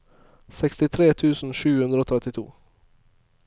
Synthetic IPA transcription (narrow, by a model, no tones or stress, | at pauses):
sɛkst̪ɪt̪ʰɾeːt̪ʰʉːsn̩ʂʉːhʉnd̪ɾoːt̪ʰɾɛt̪ɪt̪ʰṵː